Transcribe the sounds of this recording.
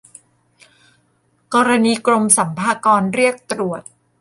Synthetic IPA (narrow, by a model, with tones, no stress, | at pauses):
kɔː˧ɾa˧niː˧kɾo˧msa˩˦mpʰaː˧kɔː˧nɾi˥˩ək̚t̪ɾu˨˩ət̪̚